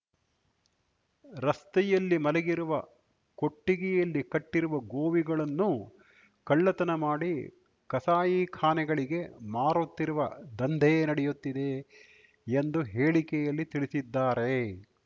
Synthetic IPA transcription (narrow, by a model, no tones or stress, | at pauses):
ɾɐst̪ɛjɐlːimɐlɛɡiɾuʋɐ | ko̞ʈːiɡɛjɐlːikɐʈːiɾuʋɐɡoːʋiɡɐɭɐnːu | kɐɭːɐt̪ɐnɐmaːɽi | kɐsaːjikʰaːnɛɡɐɭiɡe̞maːɾut̪ːiɾuʋɐd̪ɐnd̪ʱɛjnɐɽɛjut̪ːid̪e̞ | end̪uɦeːɭikɛjɐlːit̪iɭisid̪ːaːɾe̞